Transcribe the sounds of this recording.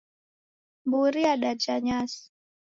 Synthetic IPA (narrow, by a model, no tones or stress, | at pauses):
buɾiaɗat͡ʃaɲas